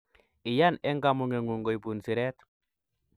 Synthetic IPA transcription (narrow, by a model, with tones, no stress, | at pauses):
i˨ja˦ne˦ŋɡa˨mu˨ŋe˨ŋu˨ŋɡo˨i˨pu˨nsi˨ɾe˦t̪